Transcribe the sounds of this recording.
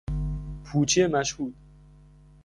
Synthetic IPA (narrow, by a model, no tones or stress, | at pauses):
pʰuːt͡ʃʰijemæʃhuːd̪̥